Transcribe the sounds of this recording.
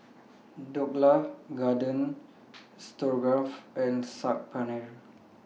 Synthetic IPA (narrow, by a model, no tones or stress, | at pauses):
dɔk̚lafɡadə̃n | stɔɹɡɹafɛ̃nsak̚panəl